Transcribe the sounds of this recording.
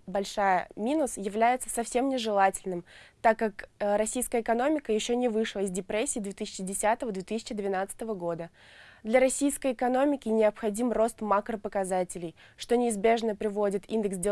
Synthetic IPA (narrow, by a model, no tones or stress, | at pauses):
bɐlʲʂajə̰mʲinʊsjɪvlʲæjɪt̪sə̥sɐfsʲe̞mnʲɪʐɨlˠatʲɪlʲnɨmt̪akːakɾɐsʲijskəəɪkɐno̞mʲɪkəjɪɕːo̞nʲɪvɨʂlˠəɪzdʲɪpɾesʲːɪiːd̪vʲet̪ɨsʲɪ̥t͡ɕɪdʲɪsʲat̪əvəd̪vʲet̪ɨsʲɪ̥t͡ɕɪd̪vʲɪn̪at̪sə̥t̪əvəɡo̞d̪ə | d̪lʲɐɾɐsʲijskəjɪkɐno̞mʲɪkʲɪnʲɪɐpxɐdʲimro̞st̪makɾəpəkɐzatʲɪlʲɪj | ʂt̪o̞nʲɪːzbʲe̞ʐnəpɾʲɪvo̞dʲɪt̪ind̪ɨksdʲe